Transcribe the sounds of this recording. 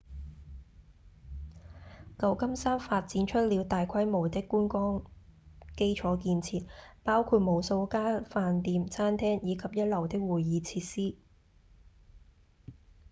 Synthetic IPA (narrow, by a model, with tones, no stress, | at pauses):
kɐ˨˧wkɐ˥msaː˥mfaː˧t̚t͡siː˨˥nt͡ʃʰɵ˥t̚li˨˧wt̪aː˨jkʰɐ˥jmo˨˩wt̪ɪ˥kːuː˥nkɔː˥ŋ | ke˥jt͡ʃʰɔː˨˥kiː˧nt͡sʰiː˨˧t̚paː˥wkʰuː˧t̚mo˨˧wso˧wkaː˥faː˧nt̪iː˧mt͡sʰaː˥nt̪ʰɛː˥ŋjiː˨˧kʰɐ˨p̚jɐ˥t̚lɐ˨˩wt̪ɪ˥k̚wuː˨˩jːiː˨˧t͡sʰiː˧t̚siː˥